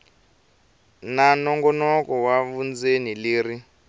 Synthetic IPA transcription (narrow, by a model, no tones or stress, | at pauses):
nanɔŋɡɔnɔkɔwaβund͡zeniliːri